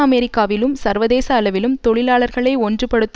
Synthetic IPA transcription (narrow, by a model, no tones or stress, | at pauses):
ɐmɛɾɪkːaːʋɪlɯmsɐɾʋɐðeːsɐːlɐʋɪlɯmt̪ɔɭɪlaːɭɐɾɣɐɭɐɪɔndrɯpːɐɽɯt̪ː